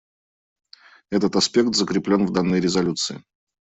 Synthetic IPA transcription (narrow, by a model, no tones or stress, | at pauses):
ɛt̪ət̪ɐspʲe̞k̚t̪zəkɾʲɪplʲo̞nvd̪anːəjɾʲɪzɐlʲut̪sɨɪ